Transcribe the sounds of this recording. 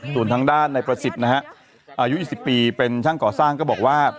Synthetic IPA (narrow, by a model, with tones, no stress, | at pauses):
su˨˩ənt̪ʰa˧ŋdaː˥˩nːa˧jpɾa˧si˨˩na˦˥ha˦˥ʔ | ʔaː˧ju˦˥ʔiː˨˩si˨˩pːiː˧pe˧nt͡ɕʰaː˥˩ŋkɔː˨˩saː˥˩ŋkɔː˥˩bɔː˨˩k̚waː˥˩